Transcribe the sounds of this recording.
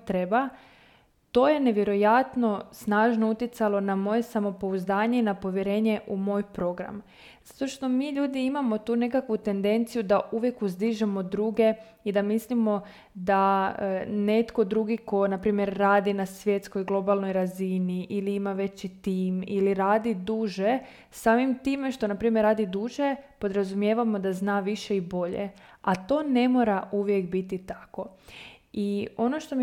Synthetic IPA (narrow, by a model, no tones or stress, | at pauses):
t̪ɾe̞ba | t̪o̞je̞ne̞ʋje̞ɾo̞jat̪no̞snaːʒno̞ut̪jet̪salˠo̞namo̞je̞samo̞po̞uzd̪aːɲe̞inapo̞ʋje̞ɾe̞ːɲe̞ʔumo̞ːjpɾo̞ɡɾa̰m | z̥ḁt̪o̞ʃt̪o̞miːʎuːd̪iimamo̞t̪uːne̞kakʋut̪e̞nd̪e̞nt̪sijud̪auʋje̞kuzd̪iʒemo̞d̪ɾuːɡe̞ | id̪amislimo̞ | d̪a | ne̞t̪ko̞d̪ɾuɡiko̞napɾiːmje̞ɾːaːd̪inasʋje̞t̪sko̞jɡlˠo̞balˠno̞jɾaziniʔiliimaʋe̞t͡ɕit̪iːmiliɾaːd̪id̪uːʒe̞ | saːmimt̪iːmeʃt̪o̞napɾiːmjeɾːaːd̪id̪uːʒe̞po̞d̪ɾazumjeʋamo̞d̪aznaːʋiʃe̞ibo̞ʎḛat̪o̞ːne̞mo̞ːɾauʋje̞kbit̪it̪ḁko̞ | io̞noʃt̪o̞m